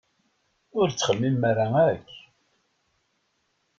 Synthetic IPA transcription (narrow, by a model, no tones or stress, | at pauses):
ʊɾt͡sːχəmːimːaɾaæç